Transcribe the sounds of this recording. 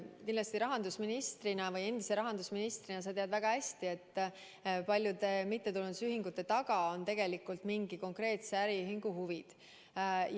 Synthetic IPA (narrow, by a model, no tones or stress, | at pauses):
kindlɑst̪iɾɑɦɑnd̪usminist̪rinɑvɯje̞nd̪̥ise̞ɾɑɦɑnd̪usminist̪ɾinɑs̬ɑt̪e̞ɑd̪væɡ̥ɑhæsʲt̪ie̞t̪ː | pɑlʲjud̪e̞mit̪ːet̪ulund̪usyɦiŋɡ̥ut̪ːˑe̞t̪ɑɡɑo̞nt̪e̞ɡ̥e̞likːˑult̪miŋɡ̥iko̞ŋkre̞ːt̪seæɾiyɦiŋɡ̥uhuvid̪̥